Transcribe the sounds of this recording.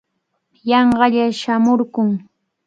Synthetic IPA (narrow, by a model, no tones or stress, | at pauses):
jɑɴɢɑʎaʃamʊɾkʊŋ